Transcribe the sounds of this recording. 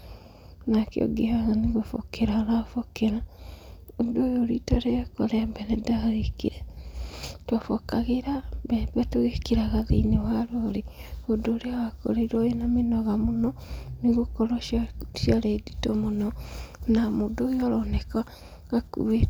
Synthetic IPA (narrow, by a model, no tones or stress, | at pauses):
nakḛo̰ɡehaɣaniɣofo̰keɾanafokeɾa | odojoɾitaɾekoɾɛmbɛnedaɣekḭɾɛ | twafokaɣeɾambɛbɛtoɣekiɾaɣaðḭnewaɾoɾe | odoːɾeawako̰ɾeɾojenamenɔɣamonɔniɣokoɾoʃaʃiaɾeditomonɔnamodojaɾoneka | ɣakṵβe